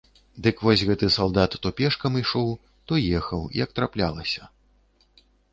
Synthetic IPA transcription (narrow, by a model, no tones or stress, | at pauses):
d̪ɨkvɔsʲɣɛt̪ɨsalˠd̪at̪ːɔpʲɛʂkɐmiʂɔw | t̪ɔjɛxɐw̰jɐk̚t̪ɾaplʲalˠɐsʲɐ̥